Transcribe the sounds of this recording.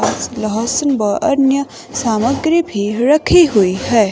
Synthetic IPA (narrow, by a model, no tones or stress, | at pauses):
asləɦəsənbəʔɐɾnjə | saːməɡɾibʱiɾɐkʰiɦuiɦɛː